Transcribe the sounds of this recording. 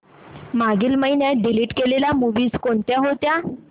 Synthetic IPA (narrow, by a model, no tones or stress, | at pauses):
maɡilməjnjaɖiliːʈkelelamuʋiːzkoɳt̪jaɦot̪ja